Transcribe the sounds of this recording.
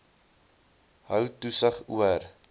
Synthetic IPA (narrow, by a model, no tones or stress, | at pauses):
ɦœwtusəχuər